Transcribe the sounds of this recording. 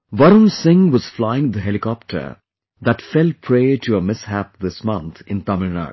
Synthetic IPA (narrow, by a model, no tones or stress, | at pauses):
ʋʌɾə̃msɪ̃ŋʋɔz̥flaɪɪ̃ŋd̪əɦelikɔp̚ʈʰə̰˞ | d̪æʈfɛl̚pʰɾeːʈʰuəmɪshæp̚d̪ɪsmʌ̃nt̪ʰɪ̃nt̪ʌməna̰ɡ